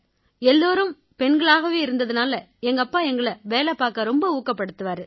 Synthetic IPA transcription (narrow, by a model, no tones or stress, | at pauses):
ɛlːoːɾɯm | pɛɳɡɐɭaːɣɐʋeːɪɾɯnd̪ɐðɯnaːlɐ | ɛŋɡɐpːaːɛŋɡɐɭɐʋeːlɛpaːɾkɐɾɔmbɐuːkːɐpːɐɽɯt̪ːɯʋaːɾɯ